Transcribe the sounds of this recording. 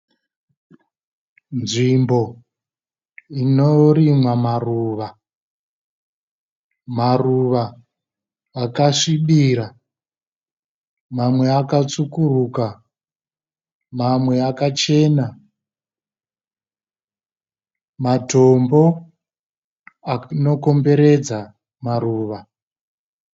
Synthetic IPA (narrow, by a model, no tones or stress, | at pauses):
nʐimbo̞ | inoɾimwamaruːʋa | maruʋa | kaʂiɓiːɾa | mamwe̞akat͡sukuruka | mamwe̞akat͡ʃe̞ːna | mato̞mbo̞ | ano̞ko̞mbe̞ɾe̞d͡za | maruːʋa